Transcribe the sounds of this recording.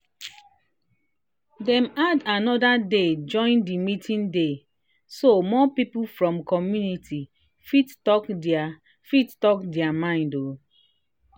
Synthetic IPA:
dɛ̃madanɔdaded͡ʒɔ̃ɪ̃ndimitʰĩnde | somɔpipufɹɔ̃mkɔmjunitʰi | fittɔkda | fittɔkdɛamãɪ̃ndo

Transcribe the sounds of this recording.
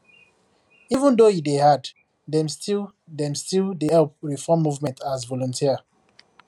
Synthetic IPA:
ivə̃ndojidehad | dɛ̃mstʰil | dɛ̃mstildehɛlp̚ɹifɔmːuvmɛ̃ntʰazvɔlɔ̃ntʰiə

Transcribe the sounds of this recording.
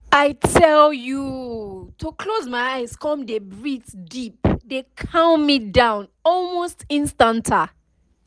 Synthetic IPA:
aɪtʰɛljutʰukʰlozmajaɪz̥kʰɔ̃mdebɹitdipdekʰãʊ̃nmidãʊ̃nɔlˠmostĩnstãntʰa

